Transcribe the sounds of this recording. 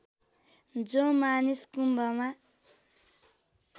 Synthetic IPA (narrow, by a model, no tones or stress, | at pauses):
d͡zomaniskumbʱʌma